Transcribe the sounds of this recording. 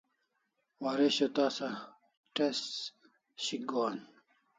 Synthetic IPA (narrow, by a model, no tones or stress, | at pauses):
waɾeɕot̪aːsa | ʈes | ɕiɡoːn